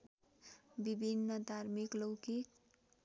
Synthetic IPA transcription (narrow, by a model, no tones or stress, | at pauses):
bibʱinːʌd̪ʱarmiklowkik